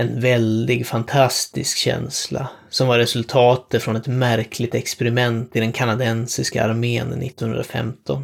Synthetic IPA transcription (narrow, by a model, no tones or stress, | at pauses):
ɛnvɛld̪ɪɡfant̪ʰast̪ɪ̰skɕɛ̰nsla̰sɔmvaɾɛsɵlt̪ʰɑːt̪əfɾɔnɛt̪mæɾkʰlɪt̪ɛkspɛɾɪmɛnt̪ɪd̪ɛnkʰanad̪ɛnsɪska̰aɾmeːnənːɪ̰t̪ːɔnhɵ̰nd̪ɾafɛ̰mt̪ʰɔn